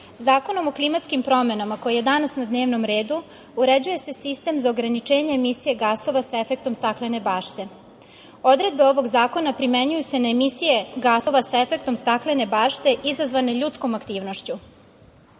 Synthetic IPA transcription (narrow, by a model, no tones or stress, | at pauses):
zaːko̞no̞mo̞klˠimat̪skimpɾo̞me̞namako̞jije̞d̪anasnad̪ne̞ːʋnomɾe̞ːd̪u | uɾed͡ʑuje̞se̞sist̪e̞mzaoɡɾanit͡ʂe̞ːɲe̞ːmisije̞ɡaːso̞ʋasae̞fe̞k̚t̪o̞mst̪aklene̞baːʃt̪e̞ | o̞d̪ɾe̞d̪̚be̞o̞ʋo̞ɡzaːko̞napɾime̞ɲujuse̞naemisije̞ɡaːso̞ʋasae̞fe̞k̚t̪o̞mst̪aklene̞baːʃt̪e̞ʔizazʋaneʎut̪skomakt̪iːʋno̞ʃt͡ɕu